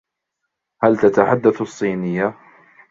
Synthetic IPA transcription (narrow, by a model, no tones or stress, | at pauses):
halt̪at̪aħad̪ːaθɑsˤːiːnɪjːa